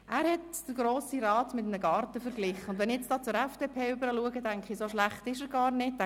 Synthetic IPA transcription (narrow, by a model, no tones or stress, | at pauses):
ʔæːɾhɛtd̥əɾɡɾoːsiɾɑːtmɪtmnəɡɑːɾtəfəɾɡlɪχəʊndvʋɛnjɛt͡std̥ɑːt͡sʊɾɛfd̥epʰeːʏbəɾəluəɡədæŋkχisoʃlæχtɪʃəɾɡɑːɾnɪt̚d